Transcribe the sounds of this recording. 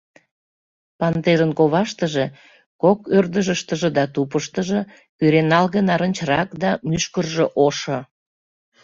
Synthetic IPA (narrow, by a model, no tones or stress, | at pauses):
pɑnt̪eʒənkoβɑʃt̪əʒe | kokørd̪əʒəʃt̪əʒĕd̪ɑt̪upəʃt̪əʒĕ | kyɾenɑlɣənɑɾənʲt͡ɕrɑkd̪ɑmyʃkərʒeʔoʃŏ